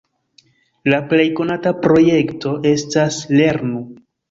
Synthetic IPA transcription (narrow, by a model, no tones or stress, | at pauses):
laple̞jko̞natapɾo̞je̞kto̞ʔe̞stasle̞ɾnu